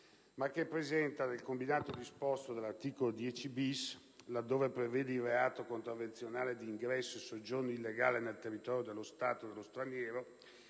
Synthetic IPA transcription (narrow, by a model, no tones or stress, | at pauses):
makːepːɾezɛnt̪anelkombinaːt̪odispɔst̪od̪elart̪iːkolod̪jɛt͡ʃibis | lad̪ːoːvepɾevɛːd̪eilreaːt̪okont̪ɾavent̪sjonaːled̪iːŋɡɾɛsːoesod͡ʒornoilːeɡa̰ːlenelt̪erːit̪ɔːɾjod̪elːost̪aːt̪od̪elːost̪ɾanjɛːɾo